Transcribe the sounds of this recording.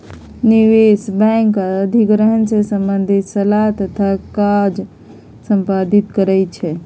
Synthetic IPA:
niʋesbɛ̃ŋkəəd̪ʱiɡɾəɦənsesəmbənd̪ʱisəlat̪ət̪ʰakad͡ʒ | səmpad̪it̪kəɾɛt͡ʃʰɛ

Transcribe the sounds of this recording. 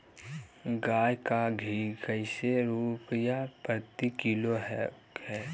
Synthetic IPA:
ɡaːjkaɡʱiɡəɪseɾupəjapət̪ikiloɦɛkɛː

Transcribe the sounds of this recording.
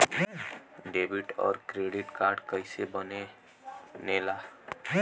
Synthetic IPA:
ɖebiʈɔ̰ːɾkɾeɖiʈkaɾɖkəɪsebəne | nela

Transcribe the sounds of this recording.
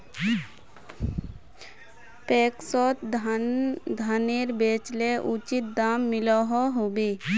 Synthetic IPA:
peːksɔt̪ | d̪ʱaneɾbeːt͡ʃleʔut͡ʃit̪̚d̪aːmːɪlɔɦɔɦobe

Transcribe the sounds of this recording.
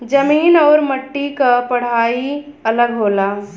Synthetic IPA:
d͡ʒəmiːnɔːɾməʈːikapɐɽ̤aːiɐləɡɦoːlaː

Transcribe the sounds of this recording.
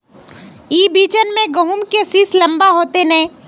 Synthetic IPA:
iːbiːt͡ʃənmẽɡɐɦumkesislɐ̃mbaɦoːt̪enɛ̃ː

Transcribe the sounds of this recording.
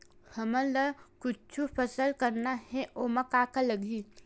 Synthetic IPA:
həmə̃ləkʊt͡ʃʰupʰəsəlkəɾnahɛʔoməkakaləɡʱi

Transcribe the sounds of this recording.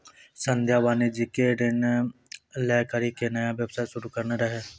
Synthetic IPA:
sənd̪ʱjaːʋaːnid͡ʒɪkeːɖɪn | lɛːkəɾiːkenəjãːʋjəbsaːjʃʊɾuːkəɾneːɾəɦeː

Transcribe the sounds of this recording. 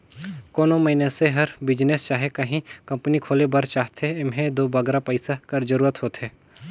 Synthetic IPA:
koːnomɐɪneseɦɐɾbɪd͡ʒnest͡ʃaːɦekɐɦĩkɐ̃mpnikʰoːlebɐɾt͡ʃaːɦt̪ʰeɪmɦẽd̪oːbɐɡɾapəɪsakɐɾd͡ʒɐɾuːɾət̪ɦoːt̪ɦeː

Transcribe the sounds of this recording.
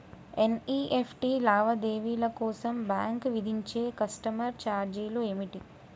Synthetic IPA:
eniːʔepʰʈilaːʋɐd̪eːʋiːlɐkɔːsɐmbaːŋkʋid̪ʱiɲt͡ʃe̞ːkɐsʈɐmɐɾt͡ʃaːɾd͡ʒiːloemiʈi

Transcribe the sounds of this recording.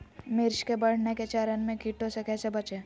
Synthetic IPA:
mɪɾʃkebɐɽ̤neket͡ʃaːɾənmẽkiːʈõsekɛːsebɐt͡ʃeː

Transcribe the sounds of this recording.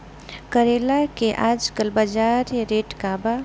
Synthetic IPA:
kəɾelakeʔad͡ʒkəlbəd͡ʒaɾjɾeʈkaba

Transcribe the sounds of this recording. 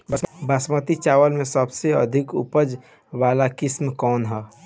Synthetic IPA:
bəbəsmət̪it͡ʃaːwəlmẽsəbseə̰d̪ʱɪkʊ̰pəd͡ʒ | ʋaːlakɪsmkɔːnɦɛː

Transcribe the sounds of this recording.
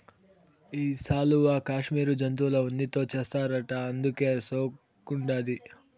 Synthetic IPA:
iːsaːluʋaːkaːʂmiːɾud͡ʒɐnt̪̬uːlɐunːit̪o̞ːt͡ʃeːst̪aːɾɐʈɐɐnd̪uke̞ːsoː | kuɳɖaːd̪i

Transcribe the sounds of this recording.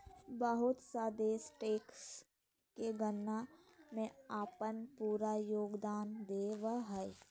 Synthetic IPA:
bəɦʊt̪saːd̪esʈeːks | keɡənːamẽaːpənpuːɾajoːɡd̪aːnd̪eːʋəɦɛ

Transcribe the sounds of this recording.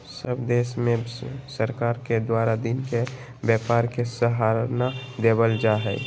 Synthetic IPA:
səbd̪eːʃmẽsəɾkaːɾked̪waːɾad̪inke | bjɛːpaːɾkesəɦaɾnad̪ebəld͡ʒaɦɛ

